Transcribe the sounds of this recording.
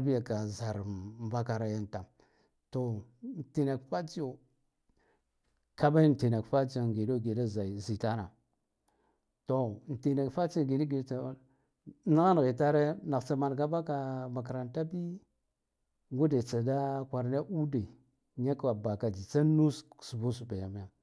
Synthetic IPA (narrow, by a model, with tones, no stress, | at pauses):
a˦bi˦ja˨ka˨za˨ɾba˦ka˨ɾa˦ja˦nta˨m | to˨ | n̩˨ti˨na˨kfa˦t͡ʃi˦o˨ | ka˦ba˦i˦n˨ti˨na˨kfa˦d͡ʒi˦o˨ɡi˨do˦˨ɡi˨da˦za˨zi˨ta˦na̰˨ | to˨n̩˨ti˨na˨kfa˦t͡ʃi˦o˨ɡi˨da˦ɡi˨dt͡sa˨˦ | na˦ɣa˦n˨ɣe˨ta˦ɾe˦na˨kt͡sa˨ma˨nɡa˦ba˦ka˨ma˨kɾa˨nta˦bi˦ | ɡu˦de˨t͡sa˨da˦kʷa˨ɾna˦ʔu˦de˨ | ɲa˦ka˨ba˨ka˨d͡ʒi˨t͡sa˦nu˦ssu˨bu˦s̬u˨ba˨ja˨m˦ja˨